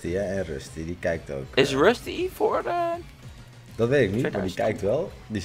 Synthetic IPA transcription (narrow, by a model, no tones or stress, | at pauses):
tiəɛnrøstidikɛjk̚to̰wkɪsɹøstifɔɹdə | d̥ɔtʋetɪknimadikɛjk̚tʋɛlˠ | di